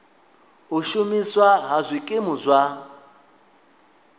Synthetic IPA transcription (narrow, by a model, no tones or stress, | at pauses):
uʃumiswaɦazʷikʼɪmuzʷwa